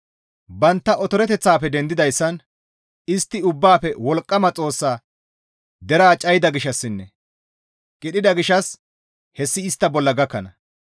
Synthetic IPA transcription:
bɐnt̪ːɐʔɔt̪ɔɾɛt̪ɛt͡sːaːpːɛd̪ɛnd̪ɪd̪ɐjsːɐn | ɪst̪ːɪʊbːaːpɛwɔlkʼːɐmɐt͡sʼo̞ːsːaː | d̪ɛɾaːt͡ʃʼɐjɪd̪ɐɡɪʃɐsːɪnːɛ | kʼɪɗɪd̪ɐɡɪʃɐs | hɛsːɪːst̪ːɐbɔlːɐɡɐkːɐnɐ

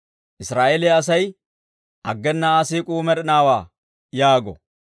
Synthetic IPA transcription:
ʔɪsɾaːʔelɛɐsɐj | ʔɐ̰ɡːɛnːaːsiːkʼuːmɛɾɛnaːwaː | jaːɡɔ̰

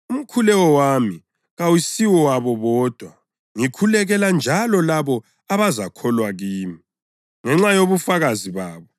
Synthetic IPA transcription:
um̩kʰulɛɣɔwami | ɣawisiwɔwaβɔβɔːd̥ʱwa | ŋikʰulɛɣɛland͡ʒʱalɔlaβɔ | aβazakʰɔlwaɣiːmi | ŋɛŋ͡ǁajoβufaɣaziβaːβɔ

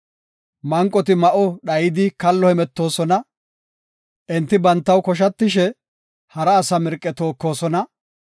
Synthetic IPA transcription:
mɐŋkʼːɔt̪̬ɪmɐʔɔɗɐjɪd̪ɪkɐlːɔhɛmɛt̪ːo̞ːsɔnɐ | ʔɛnt̪ːɪbɐnt̪ːɐwkɔʃ̬ɐt̪ːɪʃɛ | hɐɾɐːsɐmɛɾkʼːɛt̪o̞ːkːo̞ːsɔnɐ

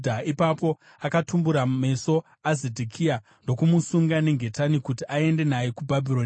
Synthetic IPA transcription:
dʱaipapo̞ | akatumbuɾame̞so̞ | azedʱikʰia | ndo̞kumusuŋɡane̞ŋɡʱe̞tanikutiʔae̞nde̞naje̞kubʱabʱiɾon

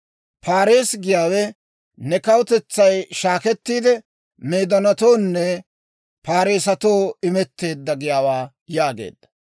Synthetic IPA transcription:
pʰaːɾe̞ːsɡɪjaːwɛ | nɛkɐwʊt̪ɛt͡sːɐjʃaːkɛt̪ːiːd̪ɛ | meːd̪ɔnɐt̪o̞ːnːɛ | paːɾeːsɐt̪o̞ːɪmɛt̪ːe̞ːd̪ːɐɡɪjaːwaː | jaːɡḛːd̪̥ːɐ̥

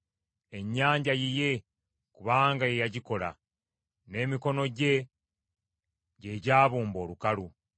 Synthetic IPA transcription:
e̞ɲːaːɲɟajije̞ | kuβaːŋɡaje̞jaɟiko̞la̰ | ne̞ːmiko̞no̞ɟe̞ | ɟe̞ɟaːβuːmbo̞ːlukalu

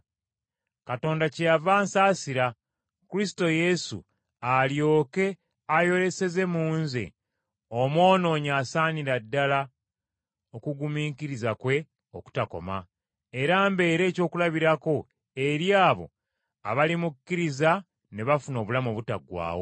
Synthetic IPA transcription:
kato̞ːndacejavaːnsaːsiɾa | kuɾisi̥to̞je̞sṵ | aljo̞ːke̞ | ajo̞ɾe̞se̞ze̞muːnzḛ | omwo̞ːno̞ːɲaːsaːniɾadːala | o̞kuɡumiːkiɾizakwe̞ | oku̥tako̞̰ma̰ | eɾaːmbe̞ːɾe̞ːco̞ːkulaβiɾako̞ | eɾjaːβo̞̰ | a̰βalimukːiɾiza | ne̞βafuno̞ːβulamoβuta̰ɡwa̰ːwo̰

